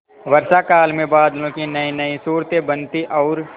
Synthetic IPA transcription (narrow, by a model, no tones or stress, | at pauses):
ʋɐɾʃakaːlmẽbaːd̪lõkinɐinɐĩsuːɾt̪ebɐ̃nt̪iʔɔːɾ